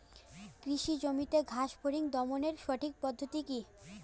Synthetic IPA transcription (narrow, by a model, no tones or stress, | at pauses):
kɾiʃid͡ʑomit̪eɡʱaʃbʰʱoɾiŋd̪ɔmoneɾʃoʈʰik̚pɔd̪ʱːot̪iki